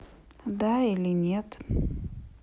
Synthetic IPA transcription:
d̪ailʲɪnʲet̪

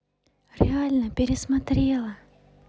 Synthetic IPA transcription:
ɾʲɪalʲnəpʲɪɾʲɪsmat̪ɾʲe̞lˠə

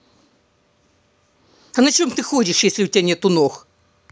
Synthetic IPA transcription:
ɐnɐt͡ɕomt̪ɨxodʲɪʂjesʲlʲɪʊtʲanʲet̪ʊnox

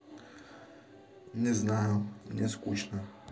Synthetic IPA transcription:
ɲɛznajɲʲɛskuɕna

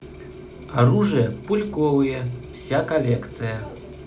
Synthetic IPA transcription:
aɾuʐɨjɐpulʲkɔvɨjɛwsʲakalʲɛkt̪sɨjɐ

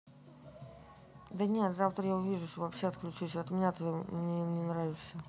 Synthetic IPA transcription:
d̪ənʲet̪zaft̪ɾəjaʊvʲiʐʊʂt̪ovɐpɕːeɐt̪klʲʉt͡ɕusʲəɐt̪mʲɪnʲat̪əəmnʲɪnʲɪnɾavʲɪʂsʲə

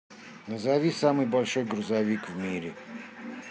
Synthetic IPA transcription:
nəzavʲisamɨjbɐlʲʂo̞jɡɾʊzavʲikvmʲiɾʲɪ

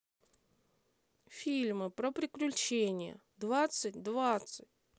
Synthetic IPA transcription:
fʲilʲmɨpɾopɾʲɪklʲʉt͡ɕenʲɪjə̰ | d̪vat̪sɨtʲd̪vat̪sɨt̚ʲ

